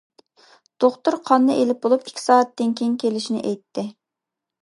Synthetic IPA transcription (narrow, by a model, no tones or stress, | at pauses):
d̪̥oχt̪uɾqʰɑnːɨʔelɪp̚bolˠupi̥kʲʰːi̥sɑːɛt̪̚d̪ɪŋkʲʰeŋkʲʰelɪʃinɪ̰ʔɛjt̪ʰːɪ